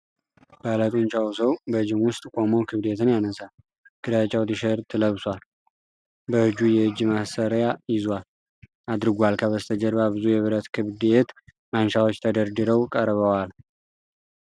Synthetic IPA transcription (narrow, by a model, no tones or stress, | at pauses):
b̥alət̪ʼunt͡ʃʼawsəwbəɨd͡ʒɪmwʊst̪ʼkʼo̞mowkʰɨβd̪et̪ʰɨnjanəsal | ɡ̥ɨd̪at͡ʃʼawt̪iʃəɾt̪ʰɨləβsʷal | bəhɨd͡ʒujɛɨd͡ʒːmasəɾjajɪzwal | ad̪ɾɨɡʷalkʰəβəst̪ʰəd͡ʒəɾbaβɨzujɛβɨɾət̪kʰɨβd̪et̪ | manʃawo̞t͡ʃːt̪ʰəd̪əɾd̪ɨɾəwkʼəɾβəwal